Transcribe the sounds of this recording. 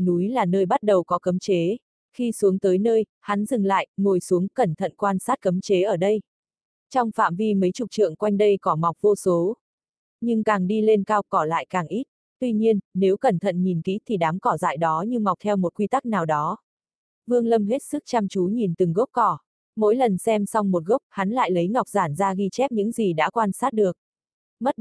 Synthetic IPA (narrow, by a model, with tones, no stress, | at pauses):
nu˨˦jlaː˨˩nəː˧jɓa˦˥t̚ɗə˨˩wkɔ˨˦kə˨˦mt͡ɕe˨˦ | xi˧su˨˦əŋt̪əː˨˦jnəː˧j | ha˨˦nzɨ˨˩ŋla̰ː˧˨jmo˨˩jsu˨˦əŋkə˧˩nt̪ʰə̰˧˨nkwaː˧nsaː˦˥t̚kə˨˦mt͡ɕe˨˦ʔəː˧˩ɗə˧j | t͡ɕɔ˧wŋ͡mfa̰ː˧˨mvi˧mə˨˦jt͡ɕu˨˩t͡ɕɨ̰˧˨əŋkwa˧jŋ̟ɗə˧jkɔ˨˦ma˨˩wk͡p̚vo˧so˨˦ | ɲɨ˧ŋkaː˨˩ŋɗi˧le˧nkaː˧wkɔ˧˩la̰ː˧˨jkaː˨˩ŋʔi˦˥t̚ | t̪wi˧ɲi˧ənne˨˦wkə˨˩nt̪ʰə̰˧˨nɲi˨˩nkḭ˦˥t̪ʰi˨˩ɗaː˨˦mkɔ˧˩za̰ː˧˨jɗɔ˨˦ɲɨ˧ŋma˨˩k͡p̚t̪ʰɛ˧wmo˨˩t̚kwi˧t̪a˦˥k̚naː˨˩wɗɔ˨˦ | vɨ˧əŋlə˧mɦe˦˥t̚sɨ˦˥k̚t͡ɕa˧mt͡ɕu˨˦ɲi˨˩nt̪ɨ˨˩ŋɣə˦˥wp̚kɔ˧˩ | mo̰˧˥jlə˨˩nsɛ˧msɔ˧wŋ͡mmo˨˩t̚ɣə˦˥k͡p̚ha˨˦nla̰ː˧˨jlə˨˦jŋa˨˩wk͡p̚zaː˧˩nzaː˧ɣi˧t͡ɕɛ˦˥p̚ɲɨ̰˧˥ŋzi˨˩ɗa̰ː˧˥kwaː˧nsaː˦˥t̚ɗɨ˨˩ək̚ | mə˦˥t̚